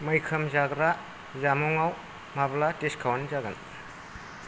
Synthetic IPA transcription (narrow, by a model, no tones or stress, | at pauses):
mɐjkʰɐmzaɡɾa | zamɔŋaw | mablateskʰawnizaɡan